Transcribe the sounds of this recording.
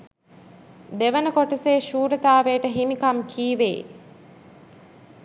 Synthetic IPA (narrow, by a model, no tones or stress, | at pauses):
d̪eʋənəkoʈəseːʃuːɾət̪aːʋeːʈəɦimikamkʰiːʋḛː